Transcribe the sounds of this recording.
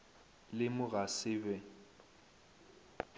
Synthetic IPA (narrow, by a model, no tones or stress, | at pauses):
lɪmʊɣasɪːbɛ